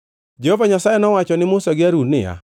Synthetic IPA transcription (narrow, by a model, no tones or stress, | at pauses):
d͡ʒɛhovaɲasajɛnɔwat͡ʃɔnɪmʊsaɡɪaɾunɪ̰a̰